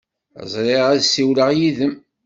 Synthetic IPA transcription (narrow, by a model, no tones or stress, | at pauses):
ə̰zˤɾˤeʁæðsiwləʁjiðəm